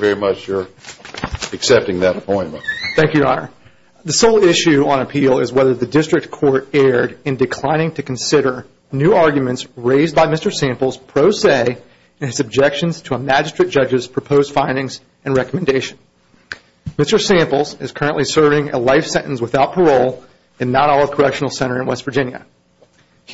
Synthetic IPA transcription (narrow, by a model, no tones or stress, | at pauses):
vɛɹimʌt͡ʃjə˞ | ɨksɛp̚tɪ̃ŋðɨɾəpʰɔ̃ɪ̃nmə̃ntθæ̃ŋkjʉɑ̰nə̰˞ | ðɨsoʊlˠɪʃʉə̃nɨpʰilˠɪzwɛðə˞ðɨdɪstɹ̥ɨk̚tkʰɔɹɾɛɹɾɨ̃ndɨkʰl̥ãɪ̃ñɪ̃ŋtʰɨkn̩sɪɾə˞ | nʉɑɹɡjmɨ̃ntsɹeɪzbaɪmɪstə˞sæ̃mpl̩ˠz̥pʰɹ̥oʊseɪ | ɨ̃nɨzɨb̚d͡ʒɛkʃɨ̃nz̥tʰəəmæd͡ʒɨstɹ̥ɨt̚d̥ʒ̥ʌd͡ʒɨz̥pʰɹ̥ɨpʰoʊz̥fãɪ̃ndɪ̃ŋz | ʔɨ̃nɹɛkəmɨ̃n̩deɪʃɨ̃n | mɪstə˞sæ̃mpl̩ˠzɨz̥kʰɜ˞ɨ̃nʔlisɜ˞vɪ̃ŋɨ̰laɪfsɛ̃ɾ̃ʔn̩swəθaʊt̚pʰə˞oʊlˠ | ɨ̃nːəɾɔlˠʌv̥kʰə˞ɛkʃn̩l̩ˠsɛ̃ɾ̃ə˞ɨ̃nwɛsv̥ə˞d͡ʒɪ̃njɨ̰